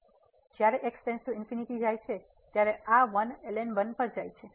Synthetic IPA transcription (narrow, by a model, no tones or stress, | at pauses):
d͡ʒjaɾeʔeksʈẽnsʈuɪnfiniʈid͡ʒajt͡ʃʰe | t̪jaɾeaʋənelenbənpəɾd͡ʒajt͡ʃʰe